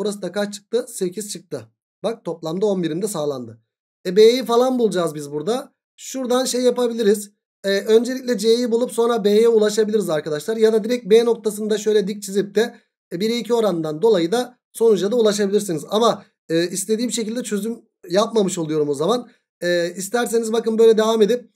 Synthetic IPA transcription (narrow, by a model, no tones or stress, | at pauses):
buɾasɯd̪akʰat͡ʃt͡ʃʰɯ̥k̚t̪ʰɯse̞cʰiz̥t͡ʃʰɯk̚t̪ʰɯ | bak̚t̪ʰo̞plˠamd̪ɯo̞nbiɾind̪ɛsaːlˠa̰nd̪ɯ | ɛbejjifalˠanbulˠd͡ʒaːzbizbuɾd̪a | ʃuɾd̪anʃe̞jjapabilʲiɾiz | ɛø̞nd͡ʒelʲicʲlʲɛd͡ʒejjibulˠupso̞nɾabejjɛulˠaʃabilʲiɾizaɾkʰad̪aʃlˠaɾjad̪ad̪iɾɛc̚beːno̞k̚t̪ʰas̬ɯnd̪aʃø̞jlʲɛd̪ic̚t͡ʃʰizʲip̚t̪ɛ | biɾiicʰio̞ɾand̪and̪o̞lˠajɯd̪a | so̞nud͡ʒlad̪aulˠaʃabilʲiɾsinizama | ɯːist̪e̞d̪iːmʃecʰilʲd̪ɛt͡ʃʰø̞zym | jap̚mamɯʃo̞lˠujo̞ɾumo̞zaman | ɛːist̪ʰæɾs̬e̞nizbakɯnbø̞jlʲɛd̪evame̞d̪ip̚